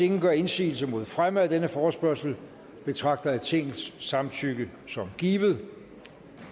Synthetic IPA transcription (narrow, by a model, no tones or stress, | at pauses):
e̝ŋɡ̥ɶe̝nsḭːl̩səmo̝ð̞̰ˠfʁaməæd̥enəfɒːsb̥ɶɐsl̩ | b̥e̝t͡sʰʁɑ̈ɡ̥̚d̥ɐæ̥t͡sʰe̝ŋ̰ð̩sːɑ̈mt͡sʰyɡ̥əsɒ̽mɡ̥iːb̥ð̩ˠ